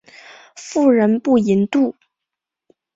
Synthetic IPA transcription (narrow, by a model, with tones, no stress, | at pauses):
fu˥˩ɻə˧˥npu˥˩i˧˥nt̪u˥˩